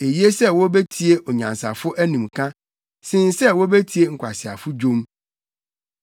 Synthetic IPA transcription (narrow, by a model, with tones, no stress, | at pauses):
e˨ji˦e˦sɛ˦˨wɔ˦bɛ˦tʰi˦e˦ʔɔ˨ɲã˨nsa̰˨fʊ˦ʔæ˦nĩ˨mkʰã˦ | sɪ̃˦n˦sɛ˦wo˦bɛ˦tʰi˦e˦ŋ̩˨kʷʰa˨sɪ˨a̰˨fʊ˦d͡ʑõ˦m